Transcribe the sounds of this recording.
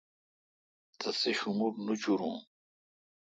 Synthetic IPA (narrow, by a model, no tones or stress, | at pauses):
t̪ɐseɕumuɾnut͡ɕuɾṵ̃